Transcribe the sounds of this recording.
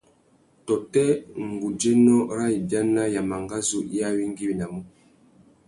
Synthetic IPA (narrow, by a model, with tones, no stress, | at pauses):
tɔ˨tɛ˦ŋ˨ɡu˨d͡ʒɛ˦nɔ˦ɾa˦i˨bja˦na˦ja˨ma˨ŋɡa˦zu˦ʔi˦a˦wi˦ŋɡi˦wi˨na˨mu˦